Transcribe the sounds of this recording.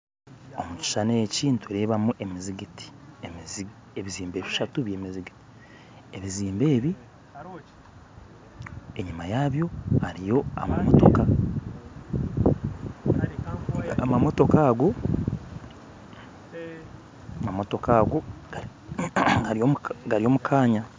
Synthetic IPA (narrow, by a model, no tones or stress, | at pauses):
omuci̥ʃaneciːntueɾe̞ːβamuʔemiziɡiti̥emz | eβiziːmbe̞ːβiiʃatuβjeːmiziɡiti̥ | eβiziːmbe̞ːβi | eɲimajaːβjo̞haɾijo̞a̰mamoto̞ka | amamo̞to̞kaːɡo̞ | amamo̞to̞kaːɡo̞̥ | ɡaɾiomɡaɾio̞ːmukʰaːɲa